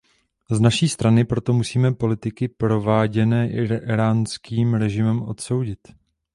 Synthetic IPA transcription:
znaʃiːst̪ɾanɪpɾo̞t̪o̞musiːmɛpo̞lɪt̪ɪkɪpɾo̞vaːɟɛnɛːʔɪɾaːnskʰiːmɾɛʒɪmɛmʔo̞̰t̪so̞wɟɪt̪

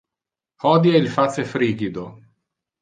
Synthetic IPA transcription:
hɔd̪jailfat̪sefɾiːɡid̪o

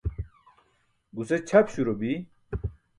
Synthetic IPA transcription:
ɡuset͡ɕʰɐpɕuɾobi

